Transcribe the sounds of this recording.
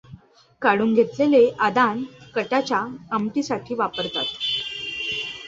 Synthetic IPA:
kaɽuːnɡʱet̪leleʔad̪ankəʈat͡ɕaəmʈ̪isaʈʰiːʋapəɾt̪at̪

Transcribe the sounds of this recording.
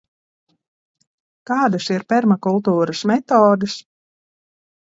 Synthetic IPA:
kaːd̪asiɾpʲɛɾmakulˠt̪uːɾasmʲɛt̪ɔːd̪ɨs

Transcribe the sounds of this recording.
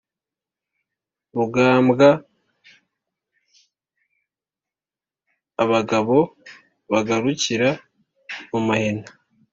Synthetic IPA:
βuɡaːmbɡa | βaɡaβo̞ | βaɡaɾuciɾa | mumahena

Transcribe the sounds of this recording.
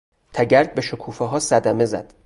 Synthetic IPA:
t̪ʰæɟæɾd̪̚beʃokʰuːfɛɦɒːsæd̪æme̞zæ̰d̪̥

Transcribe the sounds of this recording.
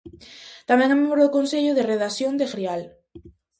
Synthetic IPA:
t̪amɛ̃ŋamemɾokonseʎʊðereðasjond̪exɾial

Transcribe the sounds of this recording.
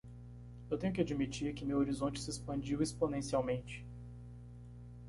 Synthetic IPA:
ewt̪ẽɲʊk̬ɪad͡ʒimit͡ʃiɾkɪmewoɾizõnt͡ʃɪ̥sɪespɐ̃nd͡ʒiwesponẽsiawmẽnt͡ʃɪ̥

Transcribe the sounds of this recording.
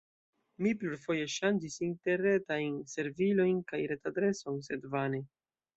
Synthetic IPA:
mipluɾfo̞je̞ʃand͡ʒisinte̞ɾe̞tajnse̞ɾvilo̞jnkajɾe̞tadɾe̞sonse̞dvane

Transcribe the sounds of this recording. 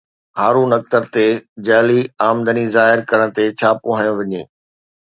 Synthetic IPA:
haːɾunɐk̚t̪əɾt̪ed͡ʑaːliaːmd̪ənizaːɦɪɾkɐɾəɽ̃t̪et͡ɕʰaːpʊɦaːjõʋɐɲeː

